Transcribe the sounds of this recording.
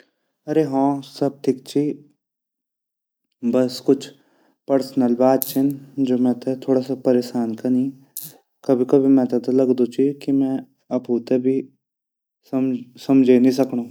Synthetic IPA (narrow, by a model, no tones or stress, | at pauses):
ɐɾeɦãːsɐb̚ʈ̪ʰɪk̚t͡ʃʰi | bɐskʊt͡ʃʰ | pəɾsnəlbaːd̪̚t͡ʃʰɪnd͡ʒoːmɛ̃t̪et̪ʰoːɽasapɐɾeːʃaːnkanĩ | kɐbʱikɐbʱimɛ̃ːt̪at̪alɐɡd̪ot͡ʃikimɛ̃ː | ɐbɦoːt̪ebʱi | smsɐmd͡ʒʱenĩs̬ɐknõː